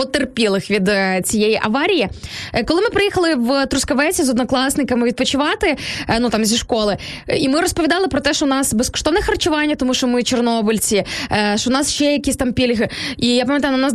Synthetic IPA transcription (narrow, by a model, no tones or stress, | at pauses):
ɔt̪erpʲilˠɪxʋʲid̪t͡sʲijɛjiʔɐʋɑɾʲijikɔlˠɪmɪpɾɪjixɐlˠɪʋt̪ɾʊskɐʋɛt͡sʲizɔd̪nɔklˠɑsnɪkɐmɪʋʲid̪̚pɔt͡ʃɪʋɑt̪ɪnut̪ɑmzʲiʃkɔlˠɪimɪɾɔspɔʋʲid̪ɑlˠɪpɾɔt̪ɛʃt͡ʃɔnɑsbeskɔ̥ʃt̪ɔʋnɛxɐrt͡ʃʊʋɑnʲːɐt̪ɔmuʃɔmɪt͡ʃernɔbʊlʲt͡sʲiʃɔnɑsʃt͡ʃɛjɐkʲisʲt̪ɑmpʲilʲɦɪijapɐmʲjɐt̪ajʊnnɑs